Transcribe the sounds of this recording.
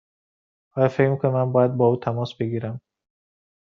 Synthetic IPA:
ʔɒːjɒːfekmikʰonmænbɒːjæd̪̚bɒːuːt̪ʰæmɒːsbe̞ɡiːɾæm

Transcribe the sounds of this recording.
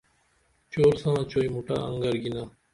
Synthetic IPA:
t͡ɕoːɾsãnãːt͡ɕoːimuʈa̰ːɐ̰̃ŋɡəɾɡinaː

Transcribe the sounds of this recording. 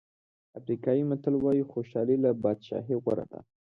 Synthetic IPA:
afɾikɑjimat̪alwɑjixoʃɑlilabɑd̪ʃɑ̰ɦeɣwa̰ɾa̰d̪a̰

